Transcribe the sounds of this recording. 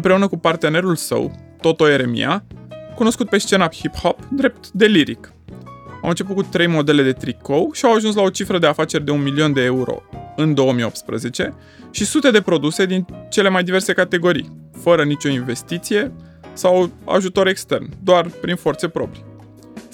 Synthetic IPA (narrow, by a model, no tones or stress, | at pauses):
ɨmpɾe̞unəkupart̪e̞ne̞ɾulsə̰wt̪o̞t̪o̞e̞ɾe̞mḭakuno̞skut̪̚pe̞st͡ʃe̞nahiphopd̪ɾe̞p̚t̪d̪e̞liɾḭk | awɨnt͡ʃepukut̪ːɾe̞jmo̞d̪e̞le̞d̪e̞t̪ɾiko̞wʃiawaʒuns̬lao̞t͡ʃifɾəd̪e̞afat͡ʃe̞rd̪e̞unmilio̞nd̪e̞euɾo̞̰ɨnd̪o̞əmio̞pt̪spɾəze̞t͡ʃe̞ | ʃisut̪e̞d̪e̞pɾo̞d̪use̞d̪int͡ʃe̞le̞majd̪ive̞rse̞kat̪e̞ɡo̞ɾḭjfəɾənit͡ʃʲo̞inve̞st̪it̪sije̞ | sawa̰ʒut̪o̞ɾe̞kst̪e̞rnd̪oarpɾinfo̞rt̪se̞pɾo̞̰pɾi̥